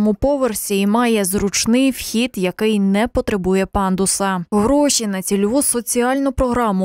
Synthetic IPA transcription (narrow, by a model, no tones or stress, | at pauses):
mʊpɔʋersʲiimɑjɛzɾʊt͡ʃnɪjwxʲid̪jɐkɪjnɛpɔt̪ɾebujɛpɑnd̪ʊsɐɦɾɔʃʲinɐt͡sʲilʲʋusɔt͡sʲiɑlʲnʊpɾɔɦɾɑmʊ